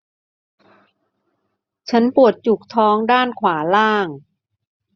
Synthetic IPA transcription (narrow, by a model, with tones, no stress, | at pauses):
t͡ɕʰa˦˥npu˨˩ət̪̚t͡ɕu˨˩k̚t̪ʰɔː˦˥ŋdaː˥˩nkʰwaː˩˦laː˥˩ŋ